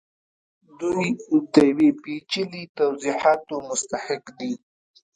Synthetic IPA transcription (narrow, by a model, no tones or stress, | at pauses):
d̪ujt̪eawipit͡ʃilit̪awziħɑːt̪omʊst̪aħɪkd̪i